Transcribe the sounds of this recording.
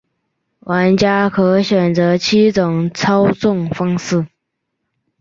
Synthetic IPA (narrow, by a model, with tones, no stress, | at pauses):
wʔa˧˥nt͡ɕja˥kʰɤ˧˥ɕɥɛ˨˩nt͡sɤ˧˥t͡ɕʰi˥t͡sʊ˨˩ŋt͡sʰɑ˥ʊt͡sʊ˥˩ŋfɑ˥ŋsɹ̩˥˩